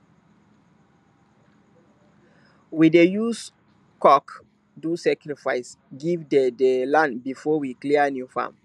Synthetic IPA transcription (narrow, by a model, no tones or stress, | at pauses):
widejus | kɔk | dusakɾifaɪs | ɡivdedelãnbifɔwikliənjufa̰m